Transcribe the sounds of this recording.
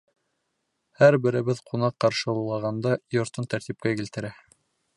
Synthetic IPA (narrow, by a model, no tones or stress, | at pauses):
hæɾbɘ̆ɾɘ̆βɘðqʰunɑqːɑɾʃɤulˠːɑʁɑnd̪ɑjŏɾt̪ɤnt̪æɾt̪ip̚kækilt̪ɘ̆ɾæ